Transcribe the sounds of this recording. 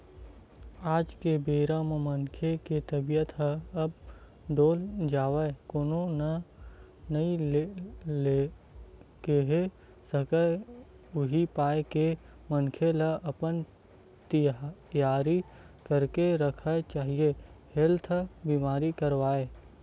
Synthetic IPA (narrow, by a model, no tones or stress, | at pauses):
aːd͡ʒkebeːɾammənkʰeket̪ɐbijət̪ɦɐb | ɖoːld͡ʒaːwəekoːnonɐ | nəi | le | keɦe | səkə | ʊɦipaːeke | mənkʰeləʔɐpən | t̪ijaːɾi | kəɾkeɾəkʰət͡ʃaːɦiehelt̪ʰbiːmaːɾikəɾwaːeː